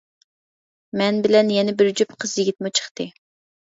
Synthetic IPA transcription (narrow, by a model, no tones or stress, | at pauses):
mɛnbɪlɛnjɛnɪbɪɾd͡ʒypqʰəzjɪɡʲit̪̚mut͡ʃʰə̥χt̪ɨ